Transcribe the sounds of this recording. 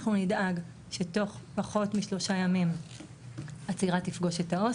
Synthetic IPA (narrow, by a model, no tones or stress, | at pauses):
χnunidaɡ | ʃe̞to̞χpaχo̞tmiʃlo̞ʃajamim | at͡siʁatifɡo̞ʃetao